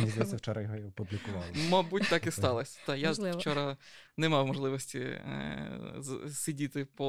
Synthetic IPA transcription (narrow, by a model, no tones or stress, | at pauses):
nʲizd̪ɐjsɛwt͡ʃɔɾɐjɔɦɔiɔpublʲikʊʋɑ̰lˠmɐbutʲt̪ɑkist̪ɑlˠɔsʲɐ̥d̪ɑjat͡ʃɔɾɐnɛmɑwmɔʒlˠɪʋɔsʲtʲḭ | sʲidʲit̪ɪpɔ